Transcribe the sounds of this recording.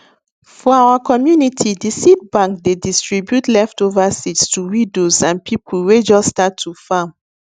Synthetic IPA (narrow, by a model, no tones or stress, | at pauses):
fɔawakʰɔmjunitʰidisit̚bãŋkdedistɹibjutlɛftovasitstʰuwĩdosãnpʰipʰulwed͡ʒɔsstatʰːufãm